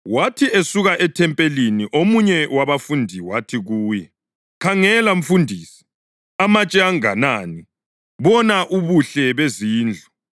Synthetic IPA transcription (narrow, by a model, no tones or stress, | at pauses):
watʰiesuɣaʔɛtʰɛmpʼeliniʔomuɲɛwaβafundʱiwatʰiɣuːjɛ | kʰaŋɛlaɱ̩fundʱiːsi̥ | amat͡ʃʼɛaŋa̰naːni | βɔnaʔuβuɬɛβeziːnd͡ɮʱɔ